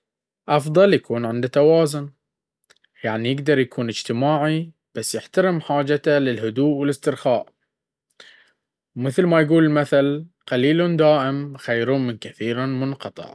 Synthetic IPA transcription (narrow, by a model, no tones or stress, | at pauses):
ʔɑfðˤɑljakuːnʕɪnd̪at̪awaːzʊn | jaʕnijɪɡd̪ɑɾˤjakʰuːnɪd͡ʒt̪ɪmaːʕi | b̥asːjɪħt̪aɾɪmħaːd͡ʒat̪alɪlɦʊd̪uːʔwɪlɪst̪ɪɾxaːʔ | wmɪθlmajɡuːlɪlmaθal | qaliːlund̪aːʔɪmxajɾumɪnkaθiːɾamʊnqɑt̪ˤɨ̰ʕ